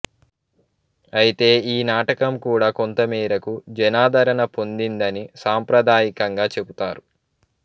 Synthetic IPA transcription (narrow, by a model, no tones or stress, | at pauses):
ɐjit̪e̞ːiːnaːʈɐkɐmkuːɽaːkont̪ɐmiːɾɐkud͡ʒɛnaːd̪ɐɾɐnɐpo̞nd̪ind̪ɐnisaːmpɾɐd̪aːjikɐŋɡaːt͡ʃe̞but̪aːɾu